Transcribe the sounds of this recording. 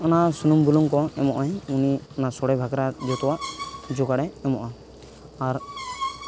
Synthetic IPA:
ɔnasunumbuluŋkɔɛmɔʔajuniɔnasɔɽɛbʱaɡɾad͡ʒɔt̪ɔwaʔd͡ʒoɡaɽɛɛmɔʔa | aɾ

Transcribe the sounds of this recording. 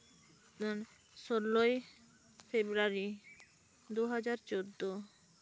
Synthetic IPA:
n | ʃolːoj | febɾaɾi | d̪uɦad͡ʑaɾt͡ɕod̪ːo

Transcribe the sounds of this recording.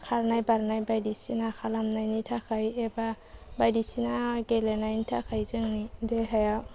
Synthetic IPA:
kʰaɾnajbaɾnajbajdisinakʰalamnajnitʰakʰajeba | bajdisinaɡelenajnitʰakʰajzɯŋnideɦajaw

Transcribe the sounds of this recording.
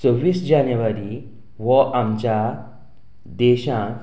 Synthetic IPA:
t͡sɔʋːiːsd͡ʑanjəʋaɾi | ʋɔʔamt͡ɕja | d̪ɛɕãk

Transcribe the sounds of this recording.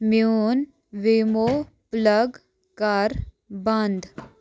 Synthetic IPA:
mjun | ʋimo | pləɡ | kaɾ | bɐ̃nd̪

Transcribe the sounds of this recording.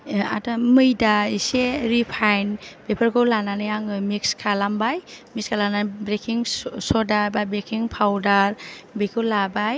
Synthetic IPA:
a̰tamɯjdaiseɾipʰajnbepʰaɾɡɯwlananɯjaŋɯmikskʰalambajmikskʰalanabɾekʰiŋsɔdaɾbabɾekʰiŋpʰawdaɾbikʰɯwlabaj

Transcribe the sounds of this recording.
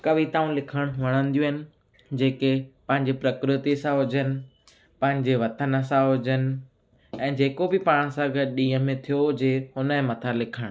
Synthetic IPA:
kɐʋit̪aːũlɪkʰəɽ̃ʋɐɽ̃ə̃nd̪ijũɦɪnɪ̆ | d͡ʑeːkepɐ̃ɦɪ̃ɲd͡ʑipɾɐkɾɪt̪isãɦʊd͡ʑənɪ̆ | pɐ̃ɦɪ̃ɲd͡ʑeʋɐt̪ənə̆sãɦʊd͡ʑənɪ̆ | ɛ̃ːd͡ʑeːkobɪpaːɽ̃sãɡəd̪ɗĩːɦəmẽt̪ʰijod͡ʑeɦʊnə̃mɐt̪ʰalɪkʰəɽ̃

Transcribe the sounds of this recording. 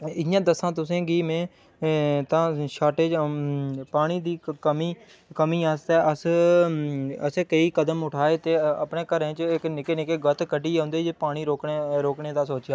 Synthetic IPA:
ɪjãːd̪əsãːt̪ʊsẽːɡiːmɛ̃ː | t̪ãːʃaːʈeːd͡ʒ | paːɽ̃iːd̪iːkəmiː | kəmiːaːst̪ɛːʔəs | əseːkəiːkəd̪əmʊʈʰaːeːt̪eːə̰pɳeːkəɾẽːt͡ʃɪknɪkeːnɪkeːɡət̪kəɖiːõːnd̪eːd͡ʒeːpaːɽ̃iːɾoːkɾoːkɳeːd̪aːsoːt͡ʃjaː

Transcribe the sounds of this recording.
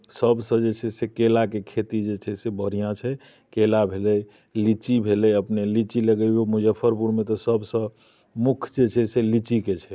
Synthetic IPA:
səbsə̃d͡ʒet͡ʃʰɛsekelakekʰet̪id͡ʒet͡ʃʰɛsebəɾijãt͡ʃʰɛ | kelabʱelɛj | lit͡ʃibʱelɛəpnelit͡ʃiləɡəomud͡ʒəpʰːəɾpuɾmet̪ɔsəbsə̃ | mukʰd͡ʒet͡ʃʰɛselit͡ʃiket͡ʃʰɛ

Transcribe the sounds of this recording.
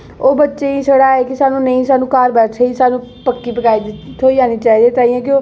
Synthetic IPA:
oːbətːʃeːiːsəɽaːeːkɪsaːnũːnəĩːsaːnũːkaːɾbɛːt͡ʃʰeisaːnũːpəkːiːpəkaːiːd̪t̪ʰːoːiːaːniːt͡ʃaːiːd̪ẽːt̪aːiɛ̃ːkɪoː

